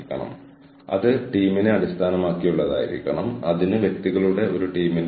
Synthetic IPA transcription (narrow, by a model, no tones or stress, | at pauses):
kʲːɐ̰ɳɐ̰m | ɐ̰ðɨʈiːmineɐɽist̪ʰaːnɐmaːkːijuɭːɐða̰ːjḭɾḭkʲːɐɳɐmɐ̰ðinɨʋje̞k̚t̪iɣɐɭuɽe̞o̞ɾuʈiːmin